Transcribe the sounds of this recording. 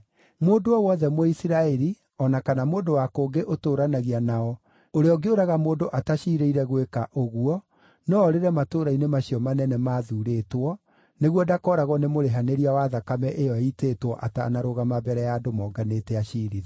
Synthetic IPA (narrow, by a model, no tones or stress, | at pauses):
moːdoɔwɔðɛmwɔisiɾaɛɾi | ɔnakanamoːndowakoːŋɡeʔotoːɾanaɣianaɔ | oɾeɔɡeoɾaɣamoːdoʔataɕiːɾeiɾɛɣwekaʔoɣuɔ | nɔːɾeɾɛmatoːɾainemaɕiɔmanɛnɛmaːðuːɾeːtwɔ | neɣwɔdakɔɾaɣwɔnemoɾeɦaneɾiawaðakamɛʔejɔiteːtwɔʔa̰ta̰naɾoɣamabɛɾɛjaːdomɔːɡanetɛaɕiɾi